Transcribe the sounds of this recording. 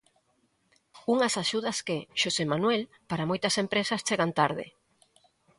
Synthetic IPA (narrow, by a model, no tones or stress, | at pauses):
uŋɐsaʃuð̞ɐskeʃosemanwel | paɾamojt̪ɐsempɾesɐst͡ʃeɣant̪aɾð̞ɪ̰